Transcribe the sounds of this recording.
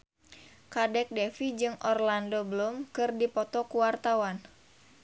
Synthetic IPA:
kadɛk̚dɛfid͡ʒɨŋʔɔrlandobəlumkɨrdipɔt̪ɔkuwart̪awan

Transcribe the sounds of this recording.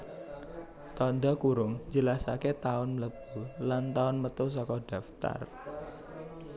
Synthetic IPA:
t̪ɔnd̪ɔkuɾʊŋd͡ʒəlasaket̪aʊnləb̥ulant̪aʊnmət̪ʊs̬ɔkɔɖ̥ä̤ft̪a̰r

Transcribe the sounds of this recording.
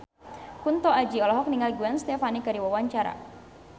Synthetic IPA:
kunt̪ɔad͡ʒiɔlɔɦɔk̚niŋalɡuanst̪ɛfanikaɾiwawaɲt͡ʃaɾa̰

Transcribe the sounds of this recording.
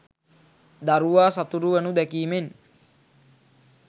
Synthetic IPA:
d̪aɾuʋaːsat̪uɾuʋənud̪ɛkiːmen

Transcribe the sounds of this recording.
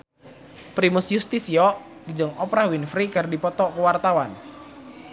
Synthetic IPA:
pɾimusjust̪isiɔ | ɡd͡ʒəŋɔpɾahwinfɾikɨrdipɔt̪ɔkəwart̪awan

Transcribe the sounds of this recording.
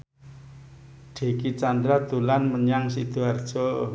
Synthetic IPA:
ɖ̥e̤kit͡ʃand̪ɾad̪̥ṳlanməɲaŋsid̪̥uard̥ʒ̥o

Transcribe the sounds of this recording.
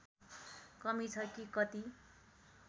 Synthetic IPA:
kʌmit͡sʰʌkikʌt̪i

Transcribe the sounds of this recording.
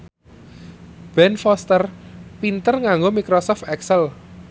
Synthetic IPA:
b̥ɛnfɔst̪ərpint̪ərŋaŋɡomikɾɔsɔft̪ɛksəl

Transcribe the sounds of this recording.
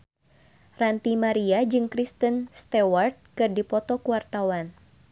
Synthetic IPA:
rant̪imaɾiad͡ʒɨŋkɾist̪ənst̪ewart̪̚kɨrdipɔt̪ɔkuwart̪awan

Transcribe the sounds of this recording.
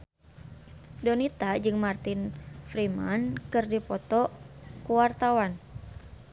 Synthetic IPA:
dɔnit̪ad͡ʒɨŋmart̪infɾimankɨrdipɔt̪ɔkuwart̪awan

